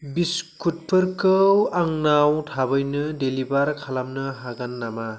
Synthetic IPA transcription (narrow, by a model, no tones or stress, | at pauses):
biskut̚pɯɾkɯwaŋnawtʰabɯjnɯdelibaɾkʰalamnɯɦaɡanːama